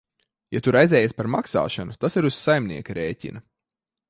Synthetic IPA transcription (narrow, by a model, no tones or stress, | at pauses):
jat̪uɾajzɛːjaspaɾmaksa̰ːʃanut̪asiɾuz̥sajmnḭɛkaɾɛːcʲḭnɐ